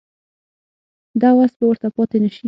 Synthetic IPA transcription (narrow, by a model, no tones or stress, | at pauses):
d̪ɑwast̪̚bawəɾt̪apɑt̪enaʃi